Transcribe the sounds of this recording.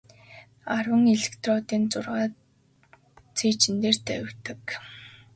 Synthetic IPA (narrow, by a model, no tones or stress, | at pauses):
arwə̆ŋiɮɘ̆kt̪ʰrɔːt̪iːnt͡sʊrʁaː | t͡sʰiːt͡ɕɪ̆nt̪eːrt̪ʰæ̰̆wt̪ə̆k